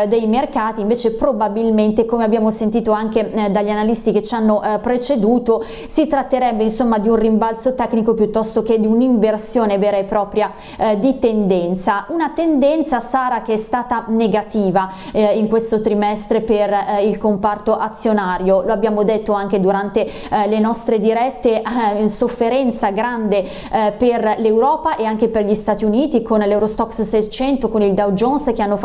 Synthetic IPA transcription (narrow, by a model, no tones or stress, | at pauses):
d̪ejmerkaːt̪iɱveːt͡ʃepɾobabilment̪ekomeabːjaːmosent̪iːt̪oaŋk̟ed̪aʎːianalist̪iket͡ʃːanːoʔpɾet͡ʃed̪uːt̪o | sit̪ɾat̪ːeɾɛbːeinsomːad̪iunrimbalsot̪ɛkːnikopjut̪ːɔst̪ok̟ed̪iuniɱversjoːneveːɾaepːɾɔːpɾja | d̪it̪end̪ɛnt̪saunat̪end̪ɛnt̪sasaːɾakeɛst̪aːt̪aneɡat̪iːva | iŋkwest̪ot̪ɾimɛst̪ɾeperilkompart̪oʔat̪sːjonaːɾjoloabːjaːmod̪et̪ːoaŋk̟ed̪uɾant̪e | lenɔst̪ɾed̪iɾɛt̪ːeʔsofːeɾɛnt̪saɡɾand̪e | perlewɾɔːpaʔeaŋk̟eperʎist̪aːt̪iuniːt̪ikonlewɾost̪ɔkssɛt͡ʃɛnt̪okonild̪awd͡ʒonsk̟eanːof